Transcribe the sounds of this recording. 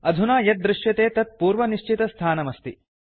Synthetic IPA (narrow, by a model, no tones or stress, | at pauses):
ɐd̪ʱunaːjɐt̪̚d̪ɾɪʂjɐt̪eːt̪ɐt̪̚puːɾʋɐniʃt͡ʃit̪ɐst̪ʰaːnɐmɐst̪i